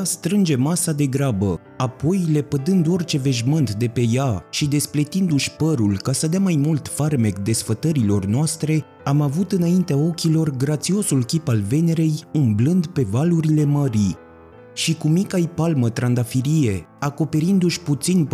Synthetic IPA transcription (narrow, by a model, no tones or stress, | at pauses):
st̪ɾɨnd͡ʒe̞masad̪e̞ɡɾabə | apo̞jle̞pəd̪ɨnd̪o̞rʲt͡ʃe̞ve̞ʒmɨnt̪d̪e̞pe̞jaʃid̪e̞splet̪ind̪uʃʲpəɾulkasəd̪eamajmult̪farme̞kd̪e̞sfət̪əɾilo̞rnoast̪ɾe̞ | amavut̪ɨnaint̪eao̞kʲilo̞rɡɾat̪sio̞sulkʲipalve̞ne̞ɾe̞jumblɨnd̪pe̞valuɾile̞məɾi | ʃikumikajpalmət̪ɾand̪afiɾije̞ako̞pe̞ɾind̪uʃʲput̪sin